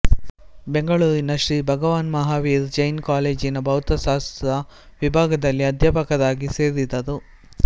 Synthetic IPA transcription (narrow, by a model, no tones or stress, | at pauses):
beŋɡɐɭuːɾinɐʃɾiːbʱɐɡɐʋaːnmɐɦaːʋiːɾd͡ʒɐjnkaːleːd͡ʒinɐbʱɐwt̪ɐsaːst̪ɐdɐʋibʱaːɡɐd̪ɐlːiɐd̪ʱjapɐkɐd̪aːɡiseːɾd̪id̪ːɐd̪u